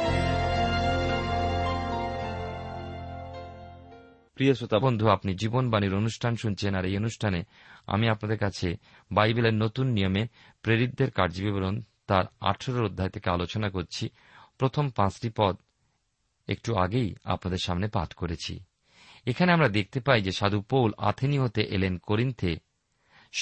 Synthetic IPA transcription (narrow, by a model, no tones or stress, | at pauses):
pɾijoʃot̪abond̪ʱuapnid͡ʑibonbaniɾonuʃʈʰanʃunt͡ɕʰenaɾejonuʃʈʰane | a̰miapnad̪eɾkat͡ɕʰe | bajbeleɾnot̪unːijome | pɾeɾid̪ːeɾkaɾd͡ʑibiboɾont̪aɾa̰ʈʰoɾoɾod̪ʱːaet̪ʰekealot͡ɕonakoɾt͡ɕʰi | pɾot̪ʰompãt͡ɕʈipɔd̪ | ḛk̚ʈuaɡeja̰pnad̪eɾʃamnepa̰t̪ʰkoɾet͡ɕʰḭ | ekʰaneamɾad̪ek̚ʰt̪epajd͡ʑeʃad̪upowla̰t̪ʰiniɦot̪eʔelenkoɾint̪ʰe